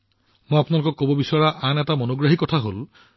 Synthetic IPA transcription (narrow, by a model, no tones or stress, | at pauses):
mojapnalʊkɔkːobobisaɹaʔanɛtamɔnoɡɹaɦikːɔtʰaɦol